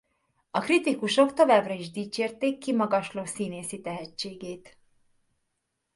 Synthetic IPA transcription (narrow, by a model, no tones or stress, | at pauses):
ɒkrit̪ikuʃo̞kt̪o̞vaːbrɒiʒd̪iːt͡ʃeːrt̪eːkːimɒɡɒʃloːsiːneːsit̪ɛɦɛt͡ʃːeːɡeːt̪